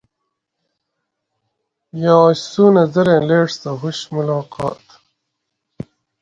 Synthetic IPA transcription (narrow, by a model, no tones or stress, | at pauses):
jɑːɕsuːnɐzɐɾẽːleːʈt̪ɐɦuɕmulɑːqɑ̰ːt̪